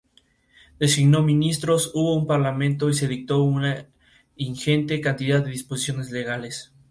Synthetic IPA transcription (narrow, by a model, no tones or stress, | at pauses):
d̪̥e̞siɣno̞mĩnist̪ɾo̞suβo̞umpaɾlamẽ̞nt̪o̞ise̞ðik̚t̪o̞una | iŋxe̞nt̪e̞kant̪iðaðːeðispo̞si̥sjo̞nezle̞ɣ̞ale̞s